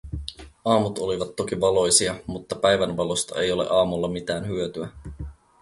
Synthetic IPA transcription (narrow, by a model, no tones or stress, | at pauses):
ɑːmut̪o̞liʋɑt̪ːo̞kiʋɑlo̞jsiɑmut̪ːɑpæjʋænʋɑlost̪ɑe̞jo̞lḛʔɑːmulːɑmit̪æːnhyøt̪yæ